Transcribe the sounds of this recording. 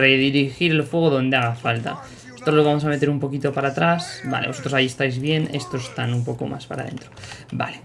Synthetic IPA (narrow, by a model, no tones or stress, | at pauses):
ɾeðiɾixiɾelfwe̞ɣ̞oðo̞nd̪eaɣafalt̪a̰ | sot̪ɾoloβamosame̞t̪e̞ɾumpo̞kit̪o̞paɾat̪ɾasba̰le̞sot̪ɾosaie̞st̪ajzβje̞ne̞st̪o̞sest̪anumpo̞ko̞̰mʔa̰spa̰ɾa̰ðẽ̞̰nt̪ɾoba̰le